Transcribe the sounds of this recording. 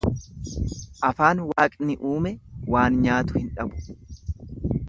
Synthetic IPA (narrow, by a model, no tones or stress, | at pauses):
ʔɐfaːnwaːkʼnɪʔuːmɛwaːnɲaːt̪ʊ̥hɪnᶑɐbʊ̥